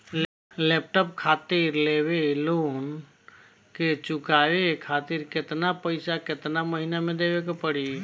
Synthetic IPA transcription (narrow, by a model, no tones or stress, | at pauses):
leːp̚ʈəp̚kʰaːt̪iɾleweloːn | ket͡ʃʊkaːwekʰaːt̪iːɾkɪt̪napəɪsakɪt̪naməɦinamẽd̪ebekepəɽi